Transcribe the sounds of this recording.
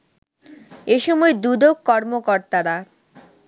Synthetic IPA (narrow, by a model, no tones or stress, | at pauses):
eʃɔmɔed̪ud̪okːɔɾmokoɾt̪aɾa